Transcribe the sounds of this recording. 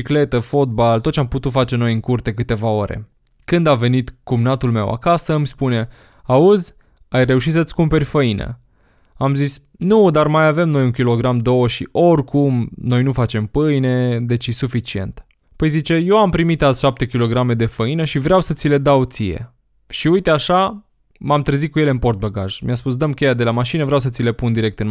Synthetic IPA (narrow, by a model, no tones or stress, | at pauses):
ikle̞t̪əfo̞t̪̚balt̪ot̪t͡ʃamput̪ut̪fat͡ʃe̞no̞jɨŋkurt̪e̞k̬ɨt̪e̞vao̞ɾe̞̰ | kɨnd̪ave̞nit̪kumnat̪ulme̞wa̰kasəmspune̞ | auzʲ | ajre̞uʃit̪sət̪skumpe̞rʲfəinə̰ | amzis | nud̪armajave̞mno̞juŋkʲilo̞ɡɾamd̪o̞wəʃiʔo̞rʲkumno̞jnufat͡ʃe̞mpɨjne̞d̪e̞t͡ʃisufit͡ʃie̞̰nt̪ | pəjzit͡ʃe̞jo̞wampɾimit̪azʃap̚t̪e̞kʲilo̞ɡɾame̞d̪e̞fəinəʃivɾeawsət̪sile̞d̪awt̪sije̞̰ | ʃiujt̪eaʃa | mamt̪ɾəzikuje̞leɨnpo̞rt̪̚bəɡa̰ʒmiaspusd̪əmkʲe̞jad̪e̞lamaʃinəvɾʲeaws̬ət̪sile̞pund̪iɾe̞k̚t̪ɨn